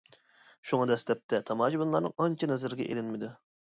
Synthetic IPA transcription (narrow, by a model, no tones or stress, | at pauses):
ʃuŋɑd̪ɛst̪ɛp̚t̪ʰɛt̪ʰɑmɑːʃibunlˠɑɾnɨ̰ŋɑnt͡ʃʰinɛzɪɾɡʲɛʔelɪnmɪd̪u